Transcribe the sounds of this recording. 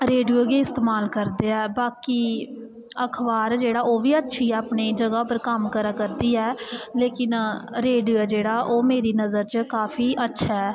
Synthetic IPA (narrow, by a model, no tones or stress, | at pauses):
ɾeːɖioːɡeːɪst̪eːmaːlkəɾd̪eːɛːbaːkiː | əkʰbaːɾd͡ʒeːɽaːʔoːʋiːətːʃʰiːɛːəpɳiːd͡ʒəɡaːpəɾkəmkəɾaːkəɾd̪iːɛːleːkɪnɾeːɖid͡ʒeːɽaːʔoːmeːɾiːnəzəɾt͡ʃkaːfʰiːʔətːʃʰaɛː